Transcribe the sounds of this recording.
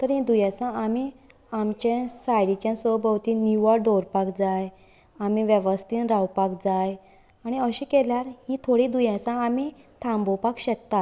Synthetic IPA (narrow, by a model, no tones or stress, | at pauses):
t̪əɾɦĩd̪ujɛ̃sãami | amt͡ɕɛ̃sajɽit͡ɕjãsobəwt̪iniʋaɖɔɾpakd͡zaj | amiʋɛʋəst̪inɾawpakd͡zaj | aɽ̃iəɕĩːkeljaɾhĩt̪ʰoɽĩd̪ujɛ̃sãːmit̪ʰãmbɔpakɕɛk̚t̪a